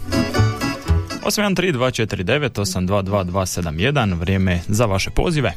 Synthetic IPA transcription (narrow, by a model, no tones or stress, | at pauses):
o̞simj̪ant̪ɾiːd̪ʋaːt͡ʃet̪iɾid̪e̞ʋet̪o̞samd̪ʋaːd̪ʋaːd̪ʋaːse̞d̪amje̞d̪anʋɾʲjeːmezaʋaʃe̞po̞̰ːziʋe̞